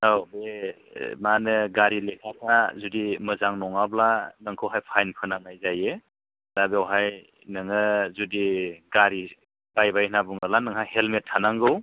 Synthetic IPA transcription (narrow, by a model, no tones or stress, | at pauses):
awbe | manɯɡaɾilekʰak̚ʰnazudimɯzaŋnɔŋablanɯŋkʰɯwɦajpʰajnpʰɯnaŋajzaje | dabewɦaj | nɯŋɯzudiɡaɾi | b̥ajbajʰnabuŋalanɯŋɦajhelmetʰːanaŋɡɯw